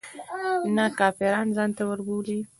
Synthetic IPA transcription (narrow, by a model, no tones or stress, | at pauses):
nakɑfɪɾɑnzɑnt̪awəɾbuli